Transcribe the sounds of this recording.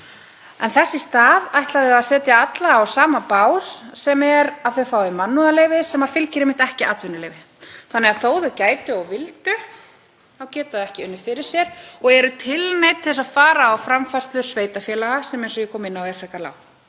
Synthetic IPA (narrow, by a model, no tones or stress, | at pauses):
ɛnθɛsːɪst̪aːðajht̪laðɪaðsɛːt̪jaat̪laːwsaːmapaːwsːɛmɛɾaðθœɥfaːwɪmanːuðaleːjvɪsɛmaɾ̥fɪlcɪɾɪmɪnt̪ɛhcɪʔat̪vʏnʏleːjvɪ | θanːɛɣaθoːwðʏcaːjt̪ʏɔɣvɪlt̪ʏ | awcɛːt̪aðɛhcɪʏnːʏ̥fɪɾɪɾ̥sjɛɾɔɣɛɾʏt̪ʰɪlnejt̪θɛs̬ːaðfaːɾaːwfɾamfarst̪lʏsveːjt̪afjɛːlaɣasɛmejnsɔjɪkʰɔːmɪnːawɛɾfɾɛkala̰ːw